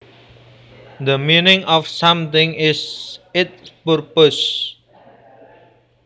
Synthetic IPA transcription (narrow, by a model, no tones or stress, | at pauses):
d̪əminɪ̃ŋɔfsamt̪ɪ̃ŋɪsɪt̪̚pərpos